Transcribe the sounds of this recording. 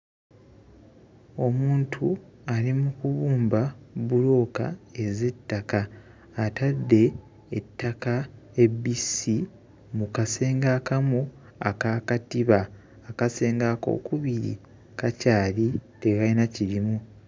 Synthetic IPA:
o̞muːntʰualimukuβuːmbaβulo̞ːka̰e̞ze̞tːakaː | tadːe̞ː | tːakaebisi | mukase̞ːŋɡakamu | akaːkatiβaː | kase̞ːŋɡaːko̞̰ːkuβiɾḭ | kacaːlitekainaciɾimu

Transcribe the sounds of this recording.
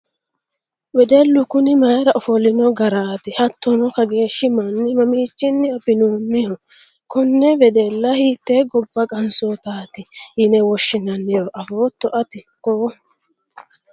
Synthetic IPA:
wɛd̪ɛlːʊkʊnɪmɐjɛɾɐʔɔfɔlɪnɔɡɐɾaːt̪ɪhɐt̪ːɔnɔkɐɡe̞ːʃːɪmɐnːɪmɐmiːt͡ʃːɪnːɪɐbɪnuːmːɪhɔ | kɔnːɛvɛd̪ɛlːɐhiːt̪ːeːɡɔbːɐkʼɐnsɔːt̪aːt̪ɪhɪnɛwɔʃːɪnɐnːɛjɔʔɐfoːt̪ːɔʔɐt̪ɪ | koː

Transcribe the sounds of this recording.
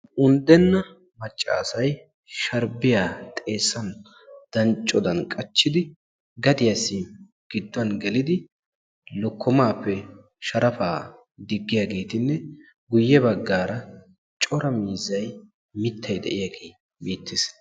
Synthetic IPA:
ʔʊnd̪ɛnːɐ | mɐt͡ʃʼːa̰ːsɐj | ʃɐɾbɪjaːt̪ʼe̞ːsːɐn | d̪̥ɐnt͡ʃʼːɔd̪ɐnkʼɐt͡ʃːɪd̪ɪ | ɡɐd̪ɪjɐsːi | ɡ̥ɪd̪ːʊɐnɡɛlɪd̪ɪ | lɔkːɔmaːpːɛ | ʃɐɾɐfaː | d̪ɪɡːɪjaɡe̞ːt̪ɪnːɛ | ɡʊjːɛbɐɡːaːɾɐ | t͡ʃʼɔɾɐmiːzːɐj | mɪt̪ʰːɐjd̪ɛ̰ʔɪjaɡeː | biːt̪ːɪs

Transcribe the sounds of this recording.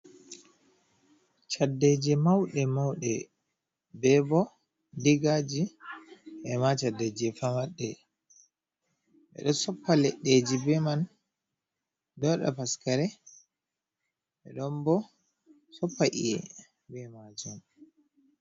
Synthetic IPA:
t͡ʃadːɛd͡ʒɛmawɗɛmawɗɛ | bɛbɔ | diɡad͡ʒi | ʔɛmat͡ʃadːɛd͡ʒɛfamaɗːɛ | ʔɛ̰ɗɔsɔpːalɛɗːed͡ʒibɛman | dɔɗa̰paskaɾɛ | ʔɛɗɔmbɔ | sɔpːaʔḭɛ̰ | bɛmad͡ʒɔn

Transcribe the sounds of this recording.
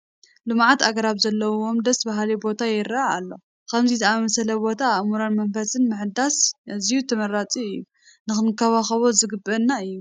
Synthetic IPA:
lɨmʕat̪aɡɐɾaβzɐlːɐwomd̪ɐsbaɦlibo̞t̪ʰajɛɾaaalːo̞̰ | kʰɐmzizɨamɐsɐlɐbo̞t̪ʰamuɾanmɐmfɐsɨnmɨħd̪asʔɨzijut̪ʰɐmɐɾat͡sʼiɨjːu | nɨxɨnɨkʰːɐβaxɐβozɨɡɨbːɐnːaɨjːu

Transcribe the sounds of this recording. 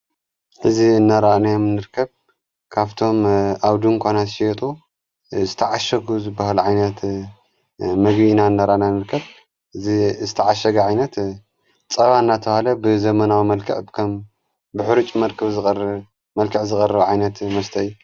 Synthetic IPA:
ħɨziɨnːaɾanajomnːɨɾkʰːɐβ | kʰaβt̪ʰo̞mʔaβd̪ɨŋkʷʰonat̪ʃiɛt̪ʼu | zɨt̪ʰɐʕaʃɐɡuzɨbahalʕajnɐt̪ | mɐɡβinaɨnːaɾaʔnanɨɾkʰːɐβ | ɨzizɨt̪ʰɐʕaʃɐɡɐʕajnɐt̪ | t͡sʼɐβanːat̪ʰɐβhalɐbɨzɐmɐnawimɐlkʰɐʕkʰɐm | bɨħɨɾut͡ʃʼmɐɾkʰɐβzɨ | mɐlkʰɨʕzɨxʼɐrɐβʕajnɐt̪mɐst̪ʰɐjːu

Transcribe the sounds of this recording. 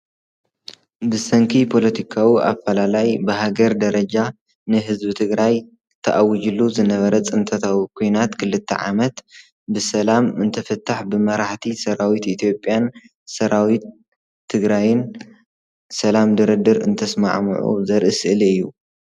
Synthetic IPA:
bɨsɐŋkʰipʰo̞lɐt̪ʰikʰawiʔa̰fɐlalajbɨɦaɡɐɾd̪ɐɾɐd͡ʒa | nɨɦɨzbɨt̪ʰɨɡɾaj | t̪ʰːɐʔawid͡ʒulːuzɨnɐβɐɾɐt͡sʼɨnt̪ʰɐt̪ʰawikʰojnat̪kʰɨlɨt̪ʰːɐ̰ʕa̰mɐt̪ | bɨsɐlamɨnt̪ʰɐfɐt̪ʰːaħbɨmɐɾaħt̪ʰisɐɾawit̪it̪ʰjo̞pʼːjan | sɐɾawit̪ʰː | ɨɡɾajɪn | sɐlamd̪ɨɾɨd̪ɨɾɨnt̪ʰɐsma̰ʕm̰ʕṵzɐɾʔɨsʔɨliɨjːu

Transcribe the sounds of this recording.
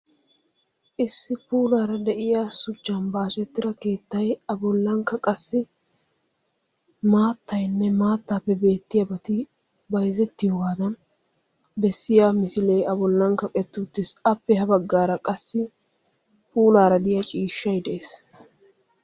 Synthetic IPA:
ʔɪsːɪpuːlaːɾɐd̪ɛʔɪjasʊt͡ʃːɐnbaːsɛt̪ːɪɾɐke̞ːt̪ːɐjɐbʊlːɐŋkɐkʼɐsːɪ | maːt̪ːɐjnːɛmaːt̪ːaːpːɛbe̞ːt̪ːɪjɐbɐt̪ɪ | bɐjzɛt̪ːɪjoːɡaːd̪ɐn | bɛsːɪjaːmɪsɪlejɐbɔlːɐŋkːɐkʼɛt̪ːʊt̪ːɪsɐpːɛhɐbɐɡːaːɾɐkʼɐsːɪ | pʰuːlaːɾɐd̪ɪjat͡ʃʼiːʃːɐjd̪ɛʔes

